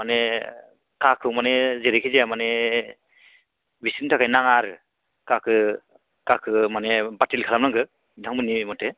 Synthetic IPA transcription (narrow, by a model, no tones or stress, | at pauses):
manɛ | kakʰɯmanɛzeɾikʰizeamanɛ | bʱisintʰakʰajnaŋaɾɯ | kakʰɯ | kakʰɯmanɛbatilkʰalamnaŋɡɯ | daŋmɯnimɔte